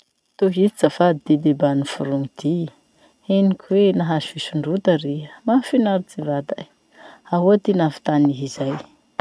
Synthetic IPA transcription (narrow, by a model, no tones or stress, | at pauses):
t̪oɦit͡sit͡safad̪id̪ed̪ebanifuɾuŋid̪̥i | enikʰʲuwenaɦazfisuɳɖ͡ʐut̪əɾiəmafinaɾit͡sivad̪a̰ | aɦuat̪inafi̥t̪aniɦizaj